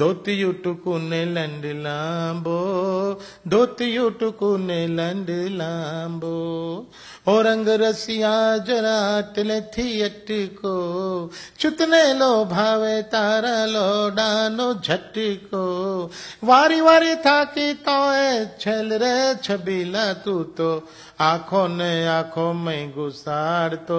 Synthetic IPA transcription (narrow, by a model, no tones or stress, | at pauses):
d̪ʱoːt̪ijuʈukunelɐɳɖlãːmbo | d̪oːt̪ijuʈukunelɐɳɖlãːmbo | oːɾɐ̃ŋɡɾɐsijaːd͡ʒɐɾãt̪ɐlet̪ʰijɐʈːiko | t͡ʃut̪neloːbʱaːʋet̪aːɾaloːɖaːnod͡ʒʱɐʈːiko | ʋaːɾiʋaːɾit̪ʰaːkit̪oːet͡ʃʰelɾet͡ʃʰɐbilaːt̪ut̪o | aːkʰoːneaːkʰoːmɐ̃ɡusaːɽt̪o